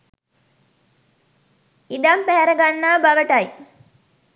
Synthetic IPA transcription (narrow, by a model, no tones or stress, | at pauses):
id̪ampæɦæɾəɡanːaːbaʋəʈɐj